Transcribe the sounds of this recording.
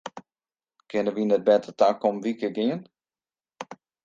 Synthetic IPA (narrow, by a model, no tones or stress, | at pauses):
kʰɪnəʋinɛt̚bɛtətʰakomʋikɪɡɪən